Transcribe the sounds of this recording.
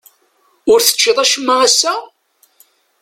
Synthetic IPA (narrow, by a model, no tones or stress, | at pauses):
ʊɾθə̥t͡ʃːɪðˤæʃəmːaæsːæ